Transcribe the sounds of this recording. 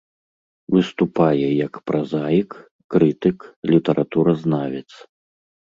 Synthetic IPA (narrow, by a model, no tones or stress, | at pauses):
vɨst̪upajɛjɐkpɾazajikː | ɾɨt̪ɨklʲit̪ɐɾʔat̪uɾɐznavʲɛt̪s